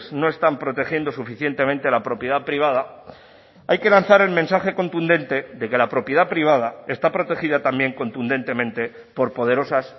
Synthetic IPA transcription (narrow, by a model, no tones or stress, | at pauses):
zno̞e̞st̪ampɾo̞t̪e̞xje̞nd̪o̞sufiθje̞nt̪e̞mẽnt̪e̞lapɾo̞pjeðapɾiβað̞a | ajke̞lan̟θaɾe̞lmẽnsaxe̞ko̞nt̪und̪e̞nt̪e̞ðe̞ke̞lapɾo̞pjeðapɾiβ̞að̞ae̞st̪apɾo̞t̪e̞xiðat̪ambje̞ŋko̞nt̪und̪e̞nt̪e̞mẽ̞nt̪e̞ | po̞ɾpo̞ð̞e̞ɾo̞sas